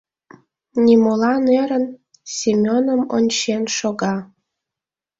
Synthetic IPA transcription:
nʲimolˠɑneɾən | sʲimʲonəmonʲt͡ɕenʃoɡɑ

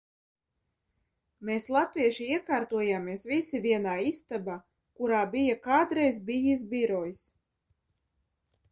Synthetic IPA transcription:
meːslˠat̪viɛʃiiɛkaːɾt̪uɔjaːmiɛsvisivʲiɛnaːist̪abaː | kuɾaːbijakaːd̪ɾɛjzbijisbiɾɔjs

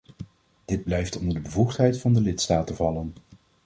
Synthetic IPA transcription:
d̥ɪd̚blɛjftɔndəɹdəbəvuχtɦɛjtfɑndəlɪtstaːtəvɑlən

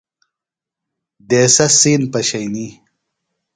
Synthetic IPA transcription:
d̪eːsɐsiːnpɐɕɐjni

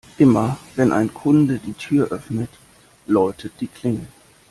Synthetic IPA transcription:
ʔɪmɐvɛnʔa̰ɪnkʰʊndədiːtʰyːɐʔœfnət | lɔʏtʰəd̥iːkʰl̥ɪŋən

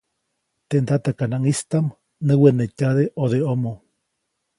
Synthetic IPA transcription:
t̪end̪at̪akanaŋist̪am | nɨwenecaðeʔoðeomõ

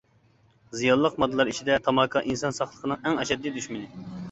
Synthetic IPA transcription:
zijɑnˠːəqmɑd̪ːɨlˠɑɾit͡ʃʰid̪ɛt̪ʰɑmɑkʰɑʔinsɑnsɑχlˠəqʰənɨŋɛŋɛʃɛd̪ːid̪yʃmɪnɪ

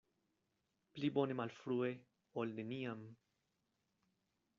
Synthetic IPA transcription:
plibonemalfɾuːe | olneniam

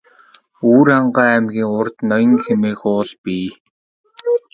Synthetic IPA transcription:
uːɾaɴɢaːæmɣʲiːŋʊrt̪nɔjɞ̆ŋxemeːxʊːɮpiː

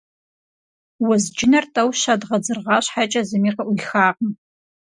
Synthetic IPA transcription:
wɐzd͡ʒɪnɐrtʼɐwʃadʁɐd͡zɨrʁɑːɕħat͡ʃʼɐzɨmiːqɐʔʷʊɮxaːqm

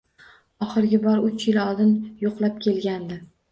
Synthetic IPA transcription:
ɒχɨɾɡʲɪbɒɾʊt͡ʃjɪlɒlˠd̪ɪnjoqlˠap̚kʲʰe̞lɡʲand̪ɪ

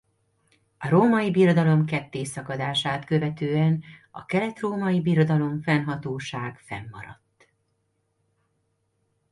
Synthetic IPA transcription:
ɒɾoːmɒjibiːrod̪ɒlo̞mkɛt̪ːeːsɒkɒd̪aːʃaːt̪kø̞vɛt̪øːɛnɒ̰kɛlɛt̪roːmɒjibiːrod̪ɒlo̞ɱfɛnɦɒt̪oːʃaːɡ̥fɛ̰mːɒ̰ɾɒ̰t̪ː

